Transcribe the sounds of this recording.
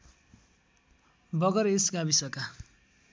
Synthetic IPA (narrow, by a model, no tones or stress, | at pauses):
bʌɡʌɾesɡabisʌka